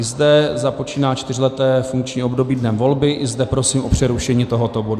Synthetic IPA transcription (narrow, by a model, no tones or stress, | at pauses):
ɪzdɛzapo̞t͡ʃiːnaːt͡ʃt̪ɪrɪlɛt̪ɛːfuŋkt͡ʃɲiːʔo̞bdo̞biːdnɛmvo̞lbɪʔɪzdɛpɾo̞siːmʔo̞pr̝̥ɛɾuʃɛɲiːt̪o̞ɦot̪obodu